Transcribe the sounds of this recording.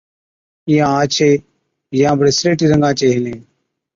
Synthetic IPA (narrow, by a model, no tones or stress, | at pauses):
ijãːãːt͡ʃʰeː | jãːbəɽeːsɾeːʈiːɾəŋɡãːt͡ʃeːɦɪnẽː